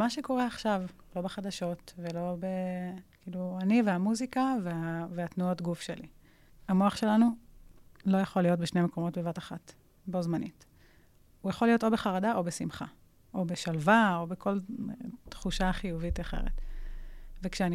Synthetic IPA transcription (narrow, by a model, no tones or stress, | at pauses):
maʃeko̞ʁeaχʃav | lo̞beχadaʃo̞tvelo̞be̞kiːluaniveamuzikaveaveatnuo̞tɡufʃelḭ | amoaχʃe̞lanu | lo̞jaχolijo̞t̚beʃnemeko̞mo̞tbevataχat | bo̞zmanḭt | ujaχolijo̞to̞beχaʁadaʔo̞besimχa̰ | ʔo̞beʃalvao̞bekʰo̞l̰tχuʃaχijuvitaχe̞̰ʁḛt | vekʃeani